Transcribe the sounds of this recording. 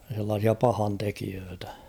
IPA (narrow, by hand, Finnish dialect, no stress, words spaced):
s̞elːɑːsiɑ pɑhɑntekiøːtæ̥